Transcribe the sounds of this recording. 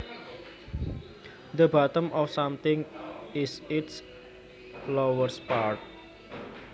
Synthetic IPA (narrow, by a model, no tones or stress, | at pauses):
d̪əbat̪əmɔfsamt̪ɪŋɪsɪts | lowəspaɾt̪̚